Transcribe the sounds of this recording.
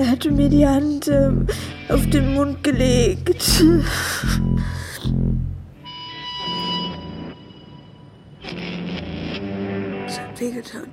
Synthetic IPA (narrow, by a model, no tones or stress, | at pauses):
eɐɦatəmiːɐdihant | ʔaʊfd̥eːnmʊnt̚ɡ̥əleːkt | shatv̥eːɡətʰaːn